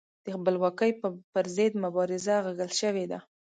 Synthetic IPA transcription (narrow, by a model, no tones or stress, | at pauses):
d̪̥əxbəlwɑkəjpəɾzed̪mʊbɑɾɪzaɣaɡəlʃəwed̪a